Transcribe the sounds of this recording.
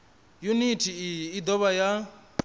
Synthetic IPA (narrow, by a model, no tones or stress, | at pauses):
junitʰiijiːd̪ɔβaja